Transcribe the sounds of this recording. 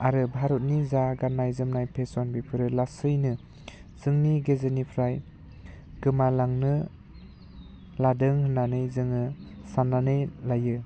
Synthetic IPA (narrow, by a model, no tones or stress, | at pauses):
aɾɯbʱaɾɔt̚nizaɡanːajzɯmnajpʰesɔnbipʰɯɾɯlasɯjnɯ | z̥ɯŋniɡezɯnipʰɾaj | ɡ̥ɯmalaŋnɯ | ladɯŋhɯnanɯjzɯŋɯsananɯjlajɯ